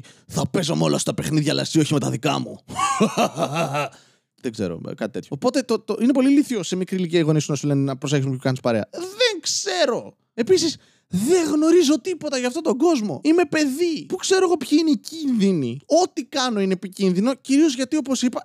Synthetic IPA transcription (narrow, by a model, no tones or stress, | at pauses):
θɐpe̞zo̞̰molɐ̰sot̪ɐpe̞xniðʝɐ̰lɐ̰st̪io̞çime̞t̪ɐ̰ðikɐ̰mṵ | ðeɡzeɾo̞̰kɐt̪it̪e̞t̪çoopo̞t̪e̞t̪ot̪oine̞po̞liliθio̞se̞mikɾiliciɐɣo̞nisunɐsule̞nenɐpɾose̞çsmepokɐnispɐɾe̞ɐ̰ðeŋkse̞ɾo̞ | e̞pisis | ðe̞ɣno̞ɾizo̞t̪ipo̞t̪ɐʝɐːft̪ot̪o̞ɡo̞zmo̞̰ime̞pe̞ðipukse̞ɾoeɣo̞pçiineicinðinio̞t̪ikɐnoine̞ːpicinðino̞ciɾio̞zʝɐt̪io̞po̞sipɐ